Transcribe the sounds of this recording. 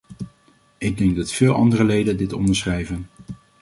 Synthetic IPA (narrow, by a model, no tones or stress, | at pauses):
ɪɡ̚dɛŋɡ̚dɑtfɪːlˠɑ̰ndərəlejdəndɪtɔ̰ndəɹsχrɛjvən